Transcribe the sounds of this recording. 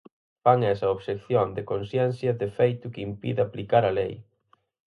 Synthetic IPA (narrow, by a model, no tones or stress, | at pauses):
faŋɛsɐoβʃekθjond̪ɪkonsjɛn̟θjɐðefejt̪ʊkimpḭðɪaplikaɾɐlej